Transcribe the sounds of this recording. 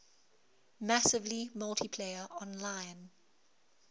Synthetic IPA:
masɪvlimʌltʰipʰleɪəʔɔ̃nlãɪ̃n

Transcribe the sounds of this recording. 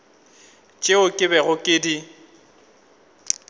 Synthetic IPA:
t͡ʃʼeʊkʼɪbɛɣʊkʼɪdi

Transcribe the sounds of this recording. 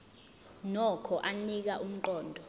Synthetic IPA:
nɔkʰɔʔanik̬aʔum̩ǃɔːndʱɔ

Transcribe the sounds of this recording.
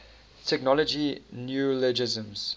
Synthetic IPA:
tʰɛknɔlɔd͡ʒinjulɛd͡ʒɪzə̃mz̥

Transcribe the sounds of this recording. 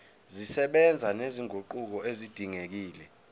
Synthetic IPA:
zisɛɓɛnd͡zʱaneziŋʱoǃuk̬ɔezid̥ʱiŋek̬iːlɛ

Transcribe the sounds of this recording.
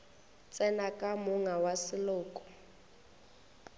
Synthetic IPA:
t͡sʼɛnakʼamʊŋawasɪlʊːkʼɔ̥

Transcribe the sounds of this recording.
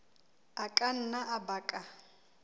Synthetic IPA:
akʼan̩naʔabaːkʼa

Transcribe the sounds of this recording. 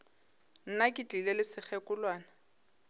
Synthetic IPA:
n̩nakʼɪt͡ɬilelɪsɪk͡xʰɛkʼʊlwaːna

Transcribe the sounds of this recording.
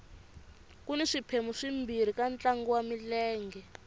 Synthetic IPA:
kuniʂipʰemuʂimbiɾikant͡ɬaŋɡɔwamilɛːŋɡɛ

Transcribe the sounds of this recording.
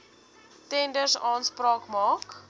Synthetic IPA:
tɛndərsɑːnsprɑːkmɑːk

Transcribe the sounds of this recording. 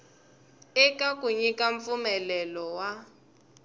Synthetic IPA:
ɛkakuɲikaɱp̪fumɛlɛlɔwa

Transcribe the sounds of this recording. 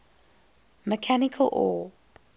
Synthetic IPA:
məkʰanɪkʰəlʔɔ

